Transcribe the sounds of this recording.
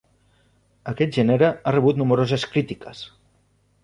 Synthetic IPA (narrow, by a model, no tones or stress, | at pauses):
əkɛt̪̚ʒeneɾəarəβut̪numɾozəskɾit̪ikəs